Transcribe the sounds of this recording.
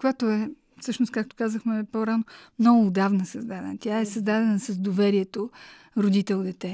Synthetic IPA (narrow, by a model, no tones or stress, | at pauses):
kojat̪oɛ | fsɤʃnost̪kak̚t̪o̥kazəxmɛpoɾanomnɔɡʊːd̪avnəsɐzd̪ad̪ɛ̰nət̪ʲaɛsɐzd̪ad̪ɛnəsɐzd̪ovɛɾiɛt̪o | ɾod̪it̪ɛlˠd̪ɛt̪ɛ